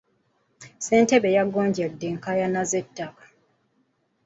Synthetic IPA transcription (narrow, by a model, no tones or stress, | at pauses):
seːnte̞βe̞jaɡoːɲɟadːeːŋkajanazetːakḁ